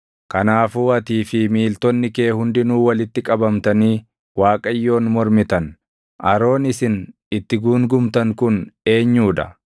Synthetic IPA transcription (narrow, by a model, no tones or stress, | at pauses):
kɐnaːfuːɐt̪iːfɪmiːlt̪ɔnːɪke̞ːhʊnd̪ɪnuːwɐlɪt̪ːɪkʼɐbɐmt̪ɐniː | waːkʼɐjːo̞ːnmɔɾmɪt̪ɐn | ʔɐɾo̞ːnɪsɪn | ɪt̪ːɪɡuːŋɡʊmt̪ɐŋkʊne̞ːɲːuːᶑɐ̰